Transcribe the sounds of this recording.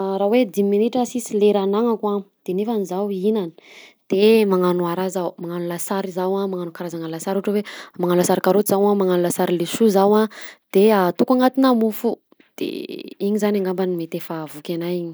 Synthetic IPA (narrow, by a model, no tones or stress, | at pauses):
ɾawed̪imminiʈ͡ʂəsisileɾanaŋakwad̪̥enefanizawinani̥d̪̥emaŋanuaɾazawmaŋanulasaɾizawamaŋanukaɾazaŋalasaɾuʈ͡ʂəwemaŋanulasaɾikaɾot̪izawamaŋanulasaɾileʃuzawad̪̥eat̪ukaŋat̪inamufu | d̪̥ḛiɲizanaŋɡambanimet̪efavukʲanajiɲi̥